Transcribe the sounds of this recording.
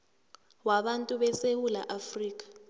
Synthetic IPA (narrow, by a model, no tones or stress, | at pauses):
waɓantʼuɓɛsewula̰ʔafriːk̬ʼḁ